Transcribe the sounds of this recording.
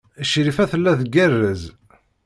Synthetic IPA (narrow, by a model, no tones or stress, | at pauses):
əʃɾifæθəlːæθɡærːəz